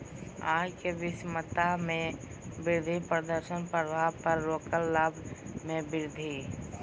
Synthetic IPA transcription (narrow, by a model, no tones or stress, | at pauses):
aːd͡ʒkeʋɪsmət̪amẽ | bɪɾd̪ʱipɾəd̪əɾʃənpəɾəbʱapəɾːoːkəlːaːbʱmẽbɪɾd̪ʱi